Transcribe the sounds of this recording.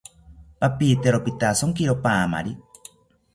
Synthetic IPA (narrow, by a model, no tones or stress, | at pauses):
papiːt̪eɾopit̪asoŋkiɾopaːma̰ɾi